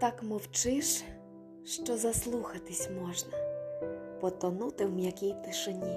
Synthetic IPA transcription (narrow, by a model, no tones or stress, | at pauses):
t̪ɑkmɔwt͡ʃɪʃ | ʃt͡ʃɔzɐslˠuxɐt̪ɪsʲmɔʒnɐ | pɔt̪ɔnut̪ɪwmjɐkʲijt̪ɪʃenʲi